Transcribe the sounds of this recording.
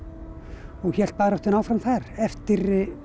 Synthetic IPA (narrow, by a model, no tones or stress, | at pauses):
ɔɣçɛl̥t̪̚paːɾɔht̪ʏnaːwfɾamθaɾɛft̪ɪɾ